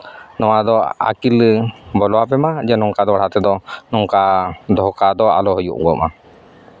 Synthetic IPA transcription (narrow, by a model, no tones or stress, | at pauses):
nɔwad̪ɔa̰kilbɔlɔapɛmad͡ʒanɔŋkad̪ɔaɽat̪ɛd̪ɔnɔŋkad̪ɔɦɔkad̪ɔa̰lɔɦɔjṵʔɡɔma